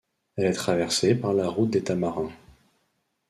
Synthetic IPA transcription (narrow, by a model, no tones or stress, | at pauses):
ɛlɛt̪χavɛʁsepaʁlaʁut̪̚d̪et̪amaʁɛ̃